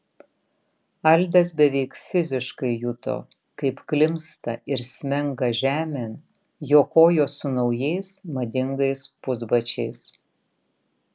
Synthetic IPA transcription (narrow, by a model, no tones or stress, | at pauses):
ɐlʲˑd̪ɐsbʲɛʋʲɛɪkfʲɪzʲɪʃkɐɪjʊt̪o̰ː | kɐɪpklʲɪmst̪ɐɪɾsʲmʲɛŋɡɐʒʲæːmʲen | joːkoːjoːsʊnɒʊjɛɪsmɐd̪ʲɪŋɡɐɪspʊzbɐt͡ʃʲɛɪs